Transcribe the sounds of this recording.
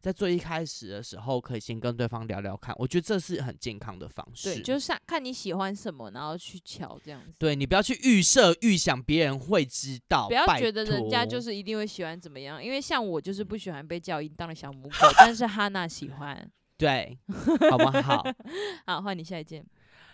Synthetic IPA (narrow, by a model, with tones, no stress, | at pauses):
t͡sa˥˧ɪt͡swɔ˥˧i˥˩kʰa˦˥ɪʂɻ̩˨˩d̪ə˩ʂɻ̩˧˦xo˥˨ʊkʰɤ˧˦˥i˨˩ɕjɛ˧˦nkə˧˦nt̪we˥˩ɪfɑ˦ŋljɑ̰˧ʊljɑ̰˧˥ʊkʰa̰˥˩nʔwɔ̰˨˩t͡ɕɥɛ˧˦d̪ə˧ʈ͡ʂɤ˥˧ʂɻ̩˥˩xə̰˨˩nt͡ɕjɛ̰˥˨˩nkʰɑ̰˦ŋd̪ə̰˨˩fɑ̰˦˥ŋʂe˥˩ɪ˥˨˩t͡ɕo˥˧˥ɕɑ˥˧˩ŋkʰa˥˩nːi˧˥ɕi˨˩xwa˦nʂə˨˩nmə̰˦na̰˧nxo˥˧ʊt͡ɕʰy˥˩t͡ɕʰjɑ̰˨˩ʊʈ͡ʂɤ˥˧jɑ̰˥˩ŋ˨t̪we˥˩ni˨˩p̬u˨˩jɑ˥˧ʊt͡ɕʰy˥˩ʔy˥˧sɤ˥˧y˥˩ɕjɑ˨˩ŋpjɛ˨˧˦ɻə˧˦nxwe˥˩ɪʈ͡ʂɻ̩˦˥t̪ɑ˥˨ʊpu˨˩jɑ˥˩ʊa˥˨t͡ɕɥɛ˧˥d̪ə˧˨ɻə˧˦nt͡ɕja˦t͡ɕjo˥˧ʊʂ̬̩˥˩i˧˥t̪i˥˧ŋwe˥˩ɪɕi˨˩xwa˦nt͡sə˨˩mə˩jɑ˥˨ŋḭ˧˦nwe˥˧ɪɕjɑ˥˩ŋwɔ˨˩t͡ɕjo˥˧ʊʂ̬ɻ̩˥˧pu˥˩ɕi˨˩xwa˦npe˥˧ɪt͡ɕjɑ˥˧ʊi˧˥˩nt̪ɑ˥˩ŋd̪ə˩ɕjɑ˨˩ʊmu˧˥ko˥˩t̪a˥˧nʂ̬ɻ̩˥˧t̪ʰa˥na˥˩ɕḭ˨˩xwa̰˦n | t̪we˥˩ɪ˨˩˦ | xwa˥˩ni˨˩ɕja˥˧i˨˩t͡ɕjɛ˥˩n˩